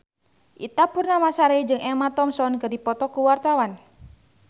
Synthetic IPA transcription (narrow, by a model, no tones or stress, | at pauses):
ʔit̪apurnamasaɾeid͡ʒɨŋɛmat̪ɔmsɔnkərdipɔt̪ɔkuwart̪awan